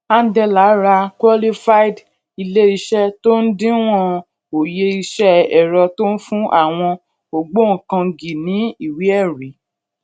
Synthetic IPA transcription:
a˦˧n̩˦dɛ˧la˨˦ɾa˧kwɔ˦li˦fa˦i˦d | i˧le˦i˧ʃɛ˦to˦n̩˦dĩ˦w̃ɔ̃˦ | o˨je˧i˧ʃɛ˦ɛ˨ɾɔ˧to˦n̩˦fũ˦ʔa̰˦˨w̃ɔ̃˧ | o˨ɡ͡bo˦ŋ̩˨kã˧ɡi˨nĩ˨˦i˦˨wi˨˦ɛ˦˨ɾi˨˦

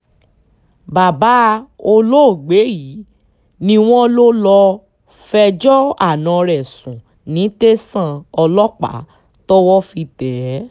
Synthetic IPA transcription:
ba˨ba˨˦o˧lo˦˨ɡ͡be˨˦ji˨˦ | nĩ˧w̃ɔ̃˦lo˦lɔ˧ | fɛ˧d͡ʒɔ˦a̰˦˨nã˨˧ɾɛ˨sũ˨ | nĩ˨˦te˦sã˦˨ɔ˧lɔ˦k͡pa̰˨˦ | tɔ˦wɔ˦fi˧tɛ˨˦

